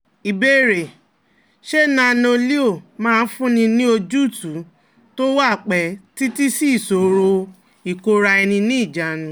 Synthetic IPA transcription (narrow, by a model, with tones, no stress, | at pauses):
i˨be˦˨ɾe˨ | ʃe˦nã˧no˧li˦o˦˨mãː˦˧n̩˦fũ˦nĩ˧nĩ˦o˧d͡ʒu˦˨tu˨˦ | to˦wa˦˨k͡pɛ˨˦ti˦ti˦si˦˨so˨ɾo˧ | i˨ko˧ɾa˧ɛ˧nĩ˧nĩ˦i˦˨d͡ʒa˨nũ˧˦